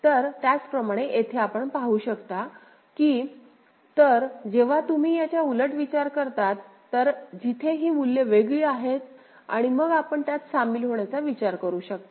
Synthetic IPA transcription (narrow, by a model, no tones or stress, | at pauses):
t̪əɾt̪jat͡spɾəmaɽ̃eʔet̪ʰeapəɳpaɦuɕəkt̪a | kiː | t̪əɾd͡ʑeʋ̤at̪um̤iːjat͡ɕjauləʈʋit͡ɕaɾkəɾt̪at̪ːəɾd͡ʑit̪ʰeɦiːmulːeʋeɡɭiːaɦet̪ | a̰ɽ̃iməɡapəɳt̪jat̪samiːlɦoɳjat͡saʋit͡ɕaɾkəɾuːɕək̚t̪a